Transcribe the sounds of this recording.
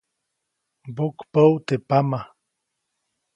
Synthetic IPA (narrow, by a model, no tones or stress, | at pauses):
bokpəwt̪epama